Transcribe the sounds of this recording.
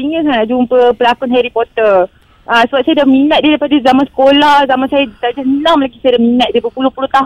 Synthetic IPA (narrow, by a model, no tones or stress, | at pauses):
iŋɡəsanaʔd͡ʒumpəpəlakʊnɦɛɾipɔt̪ər | ʔasəbat̚sajadaminəat̪̚dialapadazamansə̥kolahzamansajat̪ad͡ʒaənãŋmlakisajadaminat̪̚diəbəpulʊhpulut̪aɦ